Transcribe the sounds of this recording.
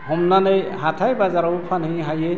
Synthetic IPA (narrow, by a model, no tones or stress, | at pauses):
ɦɔmnanejɦatʰajbazaɾɔwpʰanɦɯjɦaje